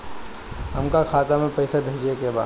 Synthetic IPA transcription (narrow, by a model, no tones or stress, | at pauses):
ɦɐmkakʰaːt̪amẽpɛːsabʱeːd͡ʒekeba̰ː